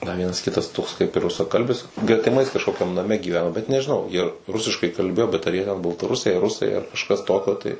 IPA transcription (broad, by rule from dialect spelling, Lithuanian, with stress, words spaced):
dɐr ˈʋʲiɛnɐs ˈkʲɪtɐs toːks kɐɪp ɪr rʊsɐˈkɐlʲbʲɪs ɡrʲɛtʲɪˈmɐɪs kɐʃˈkoːkʲɛm nɐˈmʲɛ ɡʲiːˈʋʲæːnoː bʲɛt nʲɛʒʲɪˈnɐʊ jiɛ ˈrʊsʲɪʃkɐɪ kɐlʲˈbʲeːjoː bʲɛt ɐr jiɛ tʲɛn bɐlˠtɐˈrʊsʲɛɪ ɐr ˈrʊsɐɪ ɐr kɐʃˈkɐs ˈtoːkʲoː tɐɪ